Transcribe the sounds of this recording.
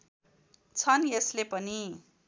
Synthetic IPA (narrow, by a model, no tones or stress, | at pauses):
t͡sʰʌnjeslepʌni